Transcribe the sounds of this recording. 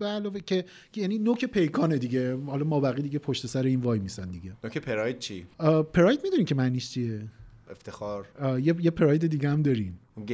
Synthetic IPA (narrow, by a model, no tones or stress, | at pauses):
belɒːvecʰejæninokʰepʰe̞jkʰɒːne̞d̪iɟe̞hɒlɒmɒːbæɣiːd̪iɟe̞pʰoʃt̪e̞sæɾeiːnvɒːjmisænd̪iɟe̞nokʰepʰeɾɒjd̪̥̚t͡ʃʰipʰeɾɒːjd̪̚mid̪uniːmcʰe̞mæniʃt͡ʃʰieeft̪ʰexɒːɾjejepʰeɾɒːjd̪ed̪iːɡeæmd̪ɒɾim